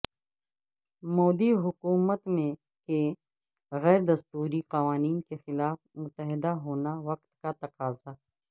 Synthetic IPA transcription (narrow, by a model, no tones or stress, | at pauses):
mɔːd̪iɦʊkuːmət̪mẽ | ke | ɣɛːɾd̪ɐst̪uːɾiqɐʋaːniːnkexɪlaːfmʊt̪əɦɪd̪aɦoːnaʋɐqt̪kat̪ɐqaːza